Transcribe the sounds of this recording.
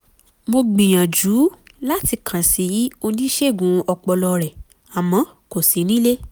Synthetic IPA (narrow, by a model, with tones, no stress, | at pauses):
mo˧ɡ͡bĩ˨j̃ã˨d͡ʒu˨˦la˦ti˧kʰã˨si˨˦o˧nĩ˦ʃe˦˨ɡũ˨˦ɔ˧k͡pɔ˧lɔ˧ɾɛ˨ | a˨mã˨˦ | ko˨si˨˦nĩ˦le˦